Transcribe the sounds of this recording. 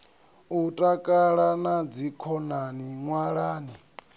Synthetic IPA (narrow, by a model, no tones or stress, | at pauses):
utʼakʼaɺanad͡zikʰɔnaniŋwaɺaːni